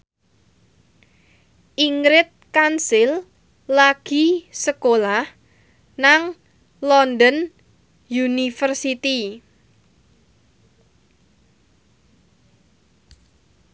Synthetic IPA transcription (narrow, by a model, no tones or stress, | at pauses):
ʔiŋɾɪt̪̚kansɪlː | aɡ̥i̤səkolah | naŋ | lɔnd̪ən | junifərsit̪i